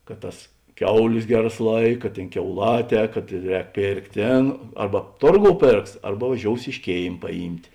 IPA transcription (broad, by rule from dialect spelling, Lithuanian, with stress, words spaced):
kɐt ˈtɐs ˈkʲɛʊˌlʲeːs ˈɡʲæːˌrɐs ˈlˠɐɪkɐ ˈtʲeːn kʲɛʊˈlˠɑːˌtʲɛː kɐt ˈrʲɛːk ˈpʲeːrktʲ ˈtʲeːn ˈɐrbɐ ˈtoːrˌɡoːʊ ˈpʲeːrks ˈɐrbɐ ʋɐˈʒʲoːʊs ɪʃ ˈkʲeːɪm pɐˈjiːmʲtʲ